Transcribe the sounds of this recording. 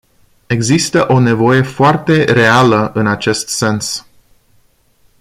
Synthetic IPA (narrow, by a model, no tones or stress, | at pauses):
e̞ɡzist̪əʔone̞vo̞je̞foart̪e̞re̞aləʔɨnat͡ʃe̞st̪se̞ns